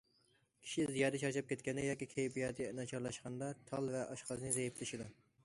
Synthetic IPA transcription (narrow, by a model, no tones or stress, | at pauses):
kʲʰi̥ʃizijɑːd̪ɛt͡ʃʰɑɾt͡ʃʰɑp̚kʲʰɛt̪kʲɛnːɪjɑːkʲikʲʰejbijɛd̪ɛnɑt͡ʃʰɑɾlˠɑʃqɑnd̪ɑt̪ʰɑlˠvɛʔɑʃqɑznɨzɛjiplɪʃid̪u